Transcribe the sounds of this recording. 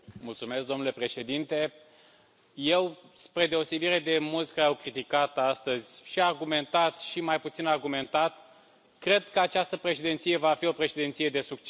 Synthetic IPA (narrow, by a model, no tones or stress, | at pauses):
mult̪sume̞sk̚d̪o̞mnule̞pɾe̞ʃe̞d̪int̪e̞ | je̞wspɾe̞d̪e̞o̞se̞biɾe̞d̪e̞mult̪sʲkaɾeawkɾit̪ikat̪ast̪əzʲʃiarɡume̞nt̪at̪ʃimajput̪sinarɡume̞nt̪at̪ | kɾe̞d̪̚kəat͡ʃast̪əpɾe̞ʃed̪ent̪sije̞vafio̞pɾeʃed̪ent̪sije̞d̪e̞suk̚t͡ʃ